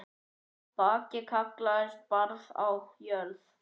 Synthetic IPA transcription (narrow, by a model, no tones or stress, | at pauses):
paːcɪkʰaklaɪst̪̚paɾða̰wjœɾθ